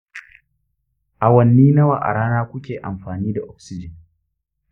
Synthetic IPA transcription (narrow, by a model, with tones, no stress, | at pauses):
ʔa˨wɐ˨nːiː˦nɐ˦waː˨ʔa̰˨ɽaː˦naː˦kʷʊ˦kʲeː˨ʔa˨mɸaː˨niː˦da˨ʔɔ˦ksɪ˦d͡ʒɪ˨n